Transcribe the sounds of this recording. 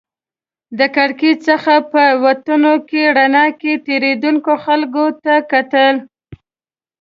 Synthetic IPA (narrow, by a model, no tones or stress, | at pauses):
d̪əkaɽket͡ʃsəxapəwat̪unokeɽanɑket̪eɾed̪uŋkoxalkot̪akat̪əl